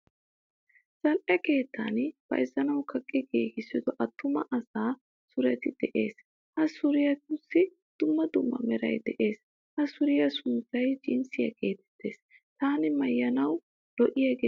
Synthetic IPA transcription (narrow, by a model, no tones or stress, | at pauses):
z̥ɐlʔɛke̞ːt̪ʰːa̰nb̥ɐ̰jzɐnɐwkʰɐkʼːɪɡeːkɪsːɪd̪ɔʔɐt̪ːʊmɐʔɐsaː | sʊɾɛt̪ɪd̪̥ɛʔe̞ːs | hɐsʊɾɪjɐtʊsːɪ | d̪̥ʊmːɐd̪ʊmːɐ̰mɛɾɐ̰jd̪ɛʔe̞ːs | hɐsʊɾɪjɐsʊnt͡sɐjt͡ʃʼɪnsɪjɐ̰ɡe̞ːt̪ɛ̥t̪ːe̞ːs | t̪aːnɪmɐjːɐnɐw | dɔʔɪjɐɡe